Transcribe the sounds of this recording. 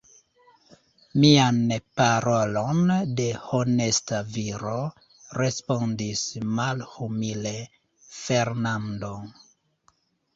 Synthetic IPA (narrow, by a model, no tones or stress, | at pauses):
mianpaɾolo̞nde̞hone̞staviɾo | ɾe̞spondismalhumile | feɾnando̞